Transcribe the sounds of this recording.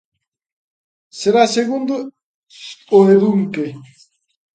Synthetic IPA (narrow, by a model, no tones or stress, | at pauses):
seɾaseɣund̪o | oeðuŋke